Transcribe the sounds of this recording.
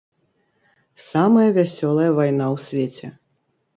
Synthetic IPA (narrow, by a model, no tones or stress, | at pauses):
samɐjɐvʲasʲɔlˠɐjɐvajn̪awsʲvʲet͡sʲɛ